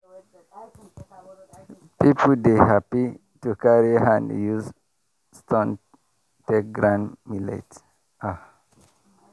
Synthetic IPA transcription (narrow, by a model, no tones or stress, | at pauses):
pipʰud̪ehapi | tukaɹihãndjuz | stɔ̃n | tek̚ɡɹãnmilḛt | ʔa